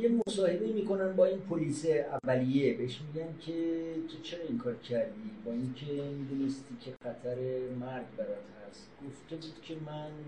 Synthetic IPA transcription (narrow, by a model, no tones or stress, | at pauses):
jemosɒːhe̞be̞imiːko̞næmbɒːinpʰoliːseævːælijebeheʃmiɟæncʰe̞t̪ʰot͡ʃʰe̞ɾɒiŋkʰɒːɾcʰæɾd̪iːbɒːincʰe̞mid̪unest̪iːcʰe̞xæt̪ʰæɾe̞mæɾɡ̪bæɾɔt̪hæst̪ɡ̥oft̪e̞buːd̪̥cʲʰe̞mæn